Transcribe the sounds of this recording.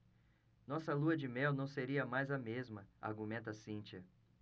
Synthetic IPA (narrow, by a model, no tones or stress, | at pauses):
nɔsɐluɐd͡ʒɪmɛwnɐ̃w̃seɾiɐmajzɐmezmɐa̰ɾɡumẽnt̪ɐsĩnt͡ʃiɐ